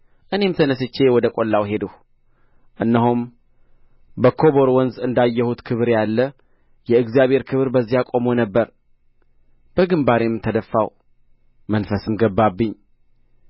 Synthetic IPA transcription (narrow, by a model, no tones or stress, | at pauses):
ʔɨne̞mt̪ʰənəs̬ɨt͡ʃːe̞wɔd̪əkʼo̞lːawɦe̞d̪əh | ʔɨnːəhum | bəkʰo̞βo̞ɾwɔnzɨnd̪ajːəhut̪kʰɨβɨɾjalːə | jɛɨɡzijaβhe̞ɾkʰɨβɨɾbəzːijakʼo̞monəbːəɾ | b̥əɡɨmbaɾemt̪ʰəd̪əfːaw | mənfəsɨmɡəbːabːɨɲː